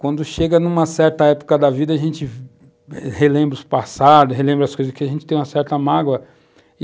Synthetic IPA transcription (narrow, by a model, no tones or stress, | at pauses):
kwɐ̃nd̪ʊʃeɡɐnũmɐsɛɾt̪ɐɛpo̥kɐd̪ɐvid̪ɐaʒẽnt͡ʃɪ | helẽmbɾʊspasad̪ʊsɦelẽmbɾɐskojzɐspkeɪaʒẽnt͡ʃɪt̪ẽj̃ũmɐsɛɾt̪ɐmaɡwɐ